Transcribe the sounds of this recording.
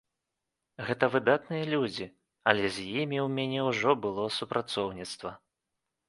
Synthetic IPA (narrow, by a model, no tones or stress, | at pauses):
ɣɛt̪ɐvɨd̪at̪nɨjɐlʲud͡zʲi | ɐlʲɛzʲjimʲiwmʲanʲɛwʐɔbɨlˠɔsupɾʔat̪sɔwnʲit̪st̪vɐ